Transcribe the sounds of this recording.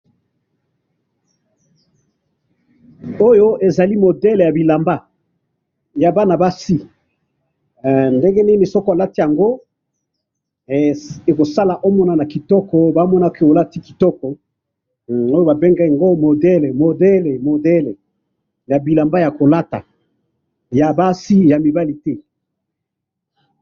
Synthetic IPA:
o˦jo˦ʔe˨za˨li˦mo˨dɛ˦le˨ja˨bi˨la˨mba˦ | ja˨ba˦na˨ba˦si˦ | nde˦ŋɡe˦ni˦ni˨sɔ˦ka˨la˦ti˦ja˨ŋɡo˦˨ | e˨ko˨sa˦la˨ʔo˦mɔ˦na˨na˨ki˨tɔ˦kɔ˨ba˦mɔ˦na˦ke˦˨o˨la˦ti˦ki̥˨tɔ˦kɔ˨ | o˦jo˦ba˨be˦ŋɡa˦˨a˨ŋɡo˦mo˨dɛ˦le˨mo˨dɛ˦le˨mo˨dɛ˦le˨ | ja˨bi˨la˨mba˦ja˨ko˨la˦ta̰˨ | ja˨ba˦si˦ja˨mi˨ba˦li˨tɛ˦

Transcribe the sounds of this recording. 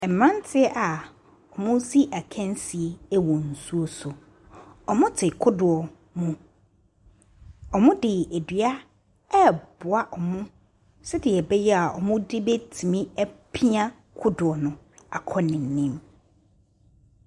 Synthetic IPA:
ɛ˨m̩˨mã˦n˦tʰɪ˦ɛ˦ʔa˨ | ɔ˨mʊ̃˦si˦ʔæ˨kʰɛ̃˦n˦si˨e˨˦wɔ˨n̩˨su˦o˦sʊ˨ | ɔ˨mʊ̃˦tʰɪ˨kʰʊ˦dʊ˨ɔ˨ | mũ˨ | ɔ˨mʊ̃˦dɪ˨e˨dɥa˦ | ɛ˦bʊ˨a˦ʔɔ˨mʊ̃˦ | sɛ˦dɪ˨ɛ˨bɛ˦jɛ˦a˨ɔ̰˨mʊ̃˦dɪ˦be˦tʰi˨mĩ˦æ˦pʰi˦ã˦ | kʰʊ˦dʊ˨ɔ˨nʊ̃˨ | a̰˨kʰɔ˦nɪ̃˨n̩˨nĩ˦m

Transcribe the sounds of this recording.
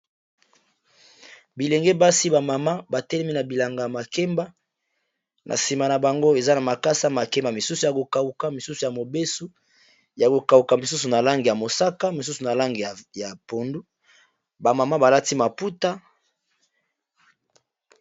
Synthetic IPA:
bi˨le˨ŋɡe˦ba˦si˦ba˨ma˨ma˦ba˨tɛ˦lɛ˦mi˦na˨bi˨la˨ŋɡa˨ja˨ma˨ke˦mba˦ | nʔa̰˨si˨ma˨na˨ba˨ŋɡo˦e˨za˦na˨ma˨ka˦sa˦ma˨kɛ˦mba˨mi˨su˦su˨ja˨ko˨ka˨u˨ka˦mi˨su˦su˨ja˨mo˨be˦su˦ | ja˨ko˨ka˨u˨ka˨mi˨su˦su˨na˨la˦ŋɡe˨ja˨mo˨sa˦ka˦mi˨s̬u˦su˨na˨la˦ŋɡe˨a˨ja˨po˨ndu˦ | ba˨ma˨ma˦ba˨la˦ti˦ma˨pu˦ta˦

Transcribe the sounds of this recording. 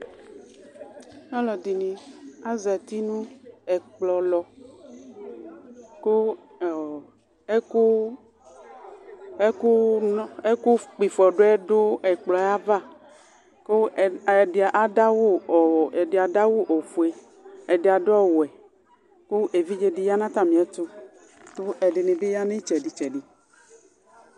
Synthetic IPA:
ɲɔ̃˦lɔ˨d̪i˨nĩ˨a˦zɛ˨t̪i˦nũ˦ɛ˨k͡plɔ˨lɔ˨ | ko˦˨˦ | ku˦ | e˦ku˦e˦ku˦k͡pi˨fɔ˨ɖo˦ɛ˦ɖo˦ɛ˨k͡plɔ˨˦a˦va˦˨ | ko˦˨ʔa˨da˦wu˦˨ɛ˨de˨a˨da˦wu˦ʔo˨fu˨e˦ | ɛ˨de˨a˨dɔ˦wo˨ɛ˨ | ku˦ʔe˨vi˦d͡ʒe˦di˦ja˦nã˦t̪a˦mĩ˨ɛ˦t̪o˦ | t̪o˦ɛ˨ɖe˨nẽ˨be˦ja˦nẽ˦t͡ʃɛ˨ɖi˨t͡ʃɛ˨ɖi˨

